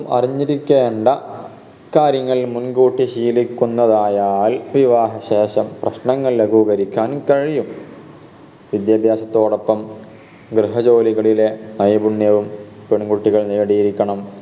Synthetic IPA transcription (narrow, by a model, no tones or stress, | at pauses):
ɐmɐ̰riɲːiɾikʲːeːɳɖɐ | kaːɾjɐŋːɐɭmunɡuːʈːiɕiːlikʲːunːɐðaːjaːlʋiʋaːɦɐɕe̞ːɕɐmprɐɕɳɐŋːɐɭleɡuːɣɐɾikʲːaːnkɐɻijum | ʋid̪jaːbʱjaːɕɐt̪ːo̞ːɽo̞pːɐm | ɡɾeɦɐd͡ʑo̞ːliɣɐɭile̞nɐjɐbuɳːjɐʋumpeɳɡuːʈːiɣɐɭnejɐɽijiɾikʲːɐɳɐm